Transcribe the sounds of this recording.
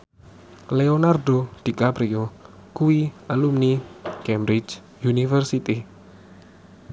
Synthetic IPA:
leonard̪od̪̥i̤kapɾio | kuialumnikɛmbɾid͡ʒ | junifərsit̪i

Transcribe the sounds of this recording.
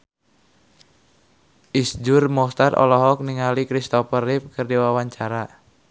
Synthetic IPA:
ʔisd͡ʒʊrmɔst̪arɔ̰lɔɦɔk̚niŋalikɾist̪ɔpərip̚kɨrdiwawaɲt͡ʃaɾa

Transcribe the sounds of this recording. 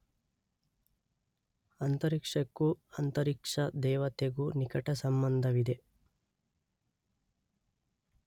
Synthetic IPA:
ɐnt̪ɐɾikʂɐkːuɐnt̪ɐɾikʂɐd̪ɛːʋɐt̪eɡunikɐʈɐsɐmbɐnd̪ʱɐʋid̪e

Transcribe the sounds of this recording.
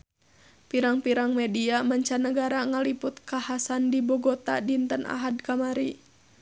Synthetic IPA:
piɾaŋpiɾaŋmɛdiamaɲt͡ʃanəɡaɾaŋalipʊt̪̚kahasandibɔɡɔt̪a̰dint̪ənʔa̰ɦadkamaɾi

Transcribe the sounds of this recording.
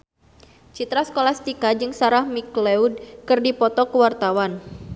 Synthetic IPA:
t͡ʃit̪ɾasə̥kolast̪ikad͡ʒɨŋsaɾahmikleud̚kɨrdipɔt̪ɔkəwart̪awan

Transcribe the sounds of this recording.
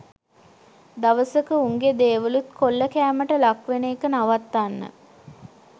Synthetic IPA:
d̪aʋəsəkəuŋɡed̪eːʋəlut̪kʰolːəkæːməʈəlakʋeneːkənaʋat̪ːanːə̰

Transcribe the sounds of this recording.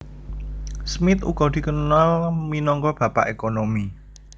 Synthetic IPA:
smɪt̪ṵɡ̥ɔ̤d̪̥i̤kənalminɔŋkɔb̥ä̤pa̰ʔekonomi

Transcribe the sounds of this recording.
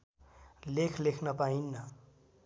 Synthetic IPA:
lekʰlekʰnʌpainːʌ

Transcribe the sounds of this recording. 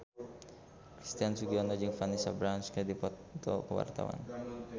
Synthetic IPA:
kɾist̪iansuɡiɔnɔd͡ʒɨŋfanisa̰bɾanskədipɔt̪t̪ɔ̰kəwa̰rt̪a̰wa̰n

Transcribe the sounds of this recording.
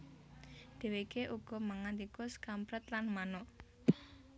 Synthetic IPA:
d̪̥e̤wekeʔuɡ̥ɔ̤maŋand̪ikʊskampɾət̪lanmanɔʔ

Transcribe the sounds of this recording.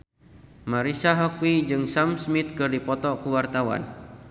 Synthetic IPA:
maɾisaɦɔkwid͡ʒɨŋsamsmit̪̚kɨrdipɔt̪ɔkuwart̪awa̰n

